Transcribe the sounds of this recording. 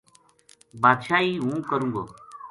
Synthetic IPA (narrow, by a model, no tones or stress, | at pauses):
baːd̪ʃaːiːɦũːkəɾũːɡo̰ː